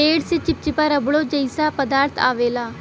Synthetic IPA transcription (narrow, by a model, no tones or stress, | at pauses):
eːɽsɪt͡ʃɪp̚t͡ʃɪpaːɾəbɽoːd͡ʒəisaːpəd̪aːɾt̪ʰa̰ːʋeːlaː